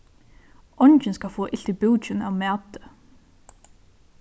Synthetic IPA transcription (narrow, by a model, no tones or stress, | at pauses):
ɔɲt͡ʃɪnskalfɔːʔɪl̥t̪ipɪwt͡ʃɪna̰wmæːt̪ɪ̥